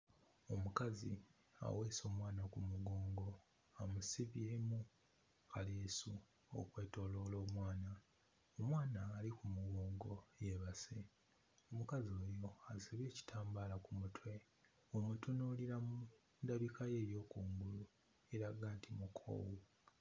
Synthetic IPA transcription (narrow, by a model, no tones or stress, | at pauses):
o̞mukazi | a̰we̞ːso̞ːmwaːnakumuɡoːŋɡo | amusiβjeːmu | kalesu | o̰kwe̞ːto̞ːlo̞ːlo̞ːmwaːna | omwaːnaːlikumuɡo̞ːŋɡo̞jeβase | omukazioːɾioasiβe̞ːci̥tʰaːmbaːlakumutwe̞ | omutunoliɾamu | ndaβikaje̞ːɾjo̞ːkuːmɡulu | e̞ɾaɡaːntimukʰo̰ːwu